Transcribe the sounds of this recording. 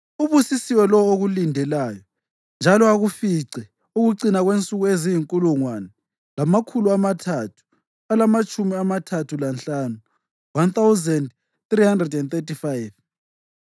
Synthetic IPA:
uβusisiwɛlɔoɣulindʱɛlaːjɔ | nd͡ʒʱalɔaɣufiǀɛ | uɣuǀinaɣwent͡sʼuɣuezijiŋkʼuluŋwanɛ | lamakʰuluamatʰatʰu̥ | alamat͡ʃʼumiamatʰatʰulanɬaːnu | want̪awzɛnd | θrihandrɛdɛnt̪etifajv

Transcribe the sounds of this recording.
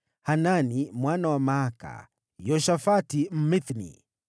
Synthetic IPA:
hananimwanawamaɦaka̰ | jɔʃafatim̩miθnḭ

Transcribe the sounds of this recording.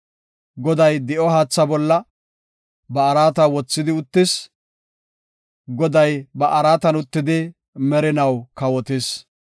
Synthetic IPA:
ɡɔd̪ɐjd̪ɪʔɔɦaːt͡sːɐbɔlːɐ | bɐːɾaːt̪ɐwɔt͡sːɪd̪ɪʊt̪ːɪs | ɡɔd̪ɐjbɐʔɐɾaːt̪ɐnʊt̪ːɪd̪ɪ | mɛɾɪnɐwkɐwɔt̪ɪs

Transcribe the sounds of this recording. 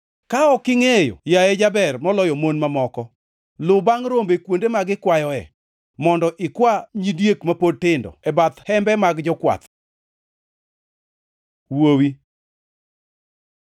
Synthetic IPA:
kaɔkɪŋejo̰jaed͡ʒabɛrmɔlɔjɔmonmamɔkɔ | lʊbaŋɾombekwondemaɡɪkwajɔɛ̰ | mɔndɔʔɪkwaɲidjekmapod̚tɪndɔ̰ɛbat̪hɛmbɛmaɡd͡ʒɔkwa̰t̪ | wowi

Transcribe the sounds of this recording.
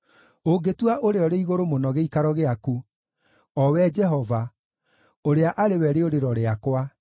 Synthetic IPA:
oɡetwaʔoɾeɔɾeiɣoɾomonɔɣeikaɾɔɣeaku | ɔwɛd͡ʒɛɦɔva | oɾeaʔaɾewɛɾeoɾeɾɔɾeakwa

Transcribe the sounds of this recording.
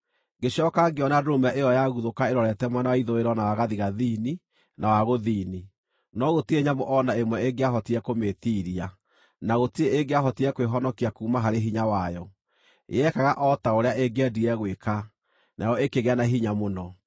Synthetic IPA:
ɡeɕɔkaɡeɔnadomɛʔejɔjaɣuðokaeɾɔɾɛtɛmwɛnawaiðoeɾɔnawaɣaðiɣaðini | nawaɣoðiːni | nɔɣotieɲamoʔɔnaemwɛeɡeaɦɔtiɛkometiːɾia | naɣotieeɡeaɦɔtiɛkweɦɔnɔkiakuːmaɦaɾeɦiɲawajɔ | ḛɛkaɣaʔɔtaoɾeaʔeɡɛdiɛɣweka | nʔajɔekeɣeanaɦiɲamonɔ

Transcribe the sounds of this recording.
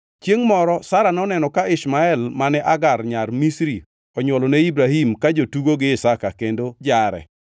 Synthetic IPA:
t͡ʃjeŋmɔɾɔsaɾanɔnɛnɔkaɪsmaɛlmanɛʔaɡarɲarmisɾi | ɔɲwɔlɔnɛibɾahimkad͡ʒotuɡoɡɪɪsakakendod͡ʒaɾɛ̰

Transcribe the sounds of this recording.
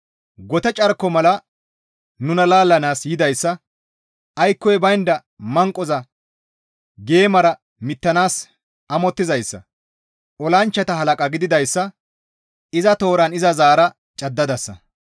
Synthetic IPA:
ɡɔt̪ɛt͡ʃʼɐɾkːɔmɐlɐ | nʊnɐlaːlːɐnaːsjɪd̪ɐjsːɐ | ʔɐjkːɔjbɐjnd̪ɐ | mɐŋkʼːɔzɐ | ɡe̞ːmɐɾɐ | mɪt̪ːɐnaːs | ɐmɔt̪ːɪzɐjsːɐ̰ | ɔlɐnt͡ʃːɐt̪ɐɦɐlɐkʼɐɡɪd̪ɪd̪ɐjsːɐ | ɪzɐt̪o̞ːɾɐnɪzɐzaːɾɐ | t͡ʃʼɐd̪ːɐd̪ɐsːɐ̰

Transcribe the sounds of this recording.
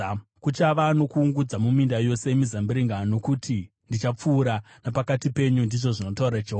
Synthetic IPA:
kut͡ʃaʋano̞kuːŋɡud͡zamumindajo̞se̞emizambiɾiŋɡano̞kutʰi | ndit͡ʃap͡fuːɾa | napakatipe̞ɲundiʐo̞ʐino̞tauɾad͡ʒeɦu

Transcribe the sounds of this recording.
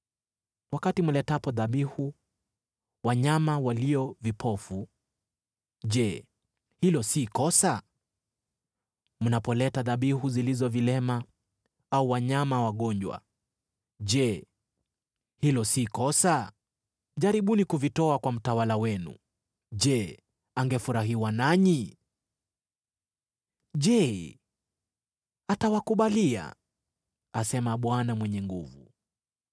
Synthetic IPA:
wakatimulɛtapɔðaɓihu | waɲamawaliɔvipʰɔfu | ʄɛ | hilɔsikɔsa | munapɔlɛtaðaɓihuzilizɔvilɛma | auwaɲamawaɠɔɲd͡ʒwa̰ | ʄɛ | hilɔsikɔsa | ʄaɾiɓunikuvitɔakwam̩tawalawɛnṵ | ʄɛ | aŋɡɛfuɾaɦiwanaɲi | ʄɛ | atawakuɓalia̰ | asɛmaɓwanamwɛɲɛŋɡuvu

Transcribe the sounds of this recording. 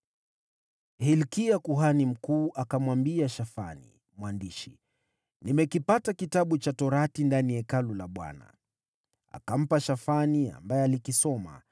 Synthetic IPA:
hilkiakuɦanim̩kuːʔakamwambiaʃafa̰nḭ | mwandiʃi | nimɛkipatakitaɓut͡ʃatɔɾatindanijɛkalulaɓwa̰na̰ | a̰kam̩paʃafania̰mbajɛalikisɔma̰

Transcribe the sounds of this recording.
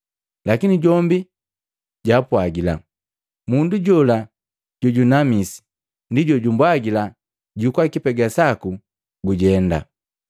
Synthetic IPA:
lakiniɟɔmbi | ɟapwaɡila̰ | munduɟɔla | ɟ̥ɔɟunamisi̥ | ndiɟɔɟumbwaɡila | ɟukwakipɛɡasaku | ɡuɟɛnda̰

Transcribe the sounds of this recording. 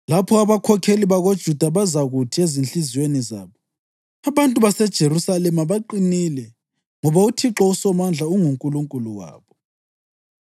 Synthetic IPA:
lapʰɔaβakʰɔkʰeliβaɣod̥ʒ̥ʱud̥ʱaβazaɣutʰiezinɬizweniza̰ːβɔ | aβantʼuβasɛd̥ʒ̥ʱeɾusalɛmaβaǃinilɛ | ŋɔβautʰiǁɔusɔmand͡ɮʱauŋuŋkʼuluŋkʼuluwa̰ːβɔ

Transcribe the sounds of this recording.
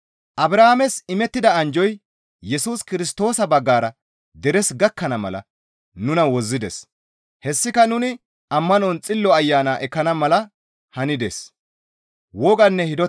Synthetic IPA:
ʔɐbɾaːamɛsɪmɛt̪ːɪd̪ɐɐnd͡ʒɔj | jɛsuːskɪɾɪst̪o̞ːsɐbɐɡːaːɾɐ | d̪ɛɾɛsɡɐkːɐnɐmɐ̰lɐ̰ | nʊnɐwɔzːɪd̪ɛ̰s | hɛsːɪkɐnʊnɪ | ɐmːɐnɔnt͡sʼɪlːɔɐjːaːnaːʔɛkːɐnɐmɐlɐ | hɐnɪd̪ḛs | wɔɡɐnːɛhɪd̪ɔ

